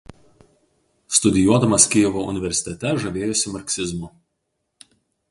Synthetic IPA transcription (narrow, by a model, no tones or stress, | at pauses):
st̪ʊd̪ʲɪjuɔd̪ɐmɐskʲɪjɛʋoʊ̰nʲɪʋʲɛɾʲsʲɪ̥t̪ʲɛt̪ʲɛʒɐʋʲeːjʊsʲɪmɐɾʲksʲɪzmʊ